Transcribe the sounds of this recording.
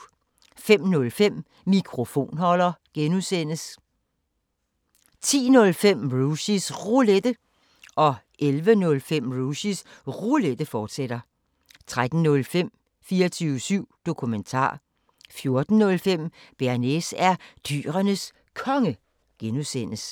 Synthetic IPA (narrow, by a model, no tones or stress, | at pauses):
fem̰nɔ̽lfem̰ | mikʰʁo̝fo̝̰ːnhɒ̽lɐɡ̥enusen̰əs | t͡sʰḭːnɔ̽lfem̰ʁuɕisʁuled̥ə | ʔɒ̽ | ʔelʋənɔ̽lfem̰ʁuɕisʁuled̥əfɒːd̥sed̥ɐ | t͡sʰʁad̥n̩nɔ̽lfem̰ | fiːɐt͡sʰyːʊəsyʊ̰d̥o̝kʰument͡sʰɑ̰̈ː | fjo̝ɐd̥n̩ːɔ̽lfem̰b̥eɐnesæɐd̥y̰ːʁɐnəs | kʰɒ̽ŋə | ɡ̥enusen̰əs